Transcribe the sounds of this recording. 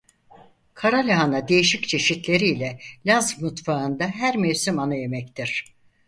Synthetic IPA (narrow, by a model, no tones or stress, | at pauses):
kʰaɾalʲiɦanad̪e̞jiʃic̚t͡ʃʰe̞ʃit̪lʲe̞ɾiːlʲɛlʲazvmut̪faɯnd̪aɦæɾmeɥsymanaje̞mɛc̚t̪ʰiɾ̥